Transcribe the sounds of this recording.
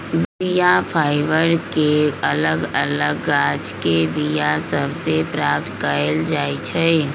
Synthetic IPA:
ʋbijapʰaːɪʋəɾkeɐləɡɐləɡːaːd͡ʒkebijasəbsepɾaːp̚t̪kəəld͡ʒaːit͡ʃʰɛ

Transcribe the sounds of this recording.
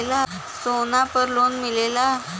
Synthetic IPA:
la | sonapəɾlonmilela

